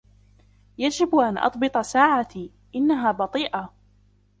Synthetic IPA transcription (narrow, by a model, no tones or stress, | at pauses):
jad͡ʒɪbʔanʔɑ̰t̪ˤbɨt̪ˤɑsaːʕat̪iː | ʔɪnːaɦaːbɑt̪ˤiːʔa